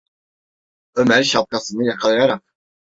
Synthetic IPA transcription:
ømæɾʃap̚kʰasɯnɯjakʰalˠajaɾak̚

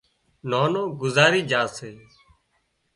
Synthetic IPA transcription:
noːnõːɡʊzaːɾiːd͡ʒãːseː

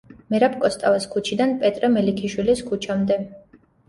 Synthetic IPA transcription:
mɛɾap̚ʰkʼɔst̪ʼavaskʰut͡ʃʰid̪anpʼɛt̪ʼɾɛmɛlikʰiʃwiliskʰut͡ʃʰamd̪ɛ

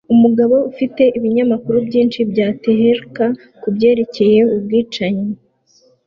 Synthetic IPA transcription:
umuɡaβo̞ufite̞ʔiβiɲamakuɾubɟiːnt͡ʃibɟaːteɦeɾka | kubɟe̞ːɾe̞ce̞je̞ubɡiːt͡ʃaɲe

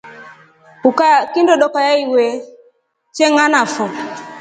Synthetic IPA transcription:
ukakindɔɗɔkajaiwɛ | t͡ʃɛŋanafɔ

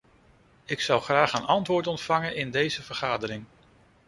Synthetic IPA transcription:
ɪksʌwχraːχənɑntʋʊːɹtɔntfɑŋənɪndejzəv̥əɹχaːdəɾɪŋ

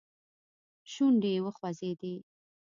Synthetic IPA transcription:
ʃuɳɖewəxwazed̪e

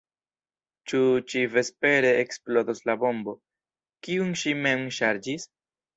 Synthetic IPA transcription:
t͡ʃut͡ʃive̞spe̞ɾe̞eksplo̞doslabo̞mbo̞ | kiunʃime̞mʃaɾd͡ʒis

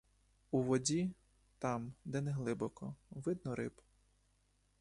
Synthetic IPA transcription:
uʋɔdʲi | t̪ɑmd̪ɛnɛɦlˠɪbɔkɔʋɪd̪nɔɾɪ̰b

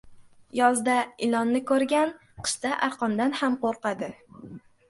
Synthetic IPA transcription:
jɒzd̪aɪlɒnːɪkʰɵɾɡʲan | qʰɨ̥ʃt̪aʔaɾqʰɒnd̪anhamqoɾqɑd̪ɪ

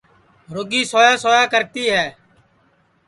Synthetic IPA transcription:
ɾoːɡiːsoːjaːsoːjaːkəɾt̪iːɦɛː

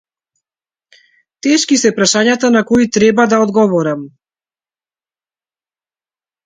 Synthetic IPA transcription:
t̪ɛʃkisɛpɾaʃaɲat̪anakɔit̪ɾɛbad̪aɔd̪ɡɔvɔɾam

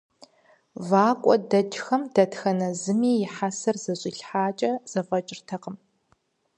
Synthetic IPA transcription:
vaːkʷʼɔdɐd͡ʒxɐmdɐtxɐnɐzɨmiːjɪħasɐrz̥ɐɕʼɪɬħaːt͡ʃʼɐz̥ɐfɐt͡ʃʼɪrtʰɐqəm

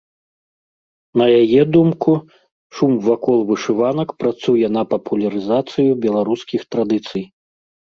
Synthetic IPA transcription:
nɐjajɛd̪umku | ʂumvakɔlˠvɨʂɨvanɐkpɾat̪sujɛnɐpɐpʰulʲɐɾɨzat̪sɨjubʲɛlˠaɾuskʲixt̪ɾad̪ɨt̪sɨj

